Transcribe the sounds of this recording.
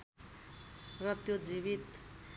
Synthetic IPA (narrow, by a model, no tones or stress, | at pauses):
rʌt̪jod͡ziβit̪